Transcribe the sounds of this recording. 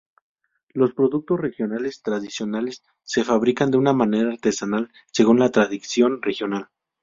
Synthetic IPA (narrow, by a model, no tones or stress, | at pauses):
lo̞spɾo̞ðuk̚t̪o̞sre̞xjo̞nale̞st̪ɾaðisjo̞nalesː | e̞faβɾikand̪eunamane̞ɾaːɾt̪e̞sanal | se̞ɣunlat̪ɾaðiksjo̞nre̞xjo̞nal